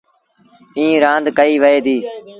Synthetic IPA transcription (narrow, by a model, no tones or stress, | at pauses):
ĩːɾãːnd̪kəiːʋəɦeːd̪iː